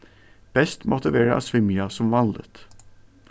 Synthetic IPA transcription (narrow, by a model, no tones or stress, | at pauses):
b̥ɛst̪mʔɔt̪ʰəʋeːɾəʔɑ̰ːsʋɪmjɑsɔmʋɑnd̪ə̰t̪